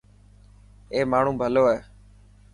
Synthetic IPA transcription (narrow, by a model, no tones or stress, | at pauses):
eːmaːɳ̤ũːbʱəloːɛː